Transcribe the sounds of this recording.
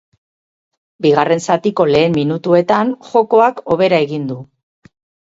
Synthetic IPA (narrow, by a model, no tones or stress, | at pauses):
biɣare̞nsat̪iko̞le̞ːmmːinut̪ue̞t̪anʝo̞ko̞ako̞βe̞ɾae̞ɣind̪u